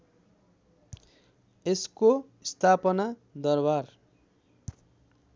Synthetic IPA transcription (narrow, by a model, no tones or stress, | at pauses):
esko | st̪ʰapʌnad̪ʌrbar